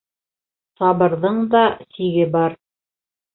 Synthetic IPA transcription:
sɑβɤ̆ɾðɤɴðɑsiɡɘbɑɾ

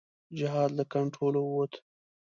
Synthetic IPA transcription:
d͡ʒɪɦɑd̪ləkaɳʈɾolowot̪ʰ

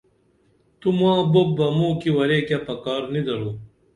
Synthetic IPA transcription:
t̪umãːbob̚bɐmuːkiwɐɾeːkjapɐkaːɾnid̪ɐɾuː

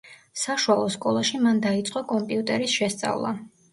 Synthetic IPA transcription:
saʃualˠɔskʼɔlˠaʃimand̪ait̪sʼqʼɔkʼɔmpʼiut̪ʼɛɾisʃɛst̪sʼa̰vlˠa̰

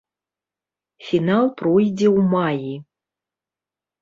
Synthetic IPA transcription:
fʲinalˠprojd͡zʲɛwmaji

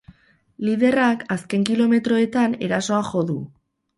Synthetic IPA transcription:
liðe̞rakaske̞ŋkilo̞me̞t̪ɾo̞e̞t̪ane̞ɾaso̞aʝo̞ðu

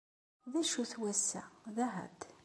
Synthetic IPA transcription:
ðæʃuθwæsːæ̰ðæɦæ̰d̪

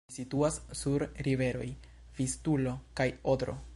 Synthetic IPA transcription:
situassuɾɾive̞ɾo̞̰j | vistulo̞kajodɾo̞̰

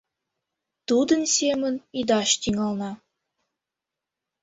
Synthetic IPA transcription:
t̪ud̪ə̆nsʲemə̆nid̪ɑʃt̪iŋɑlnɑ

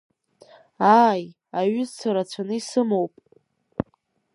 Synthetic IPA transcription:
aːj | aɥʏzt͡sʰaɾat͡ɕʷʰanɨisɨmowpʼ

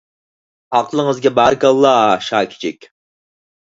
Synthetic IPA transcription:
ɑqlˠəŋəzɡʲɛbɑɾɡɑlˠːɑːʃɑːkʲʰɪ̥t͡ʃʰɛkʲ

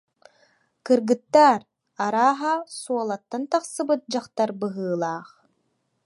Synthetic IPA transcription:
kɯɾɡɯt̪ːaːɾ | aɾaːɦasuɔlˠat̪ːant̪aχsɯbɯt̪̚d͡ʑaχt̪aɾbɯɦɯːlˠaːχ

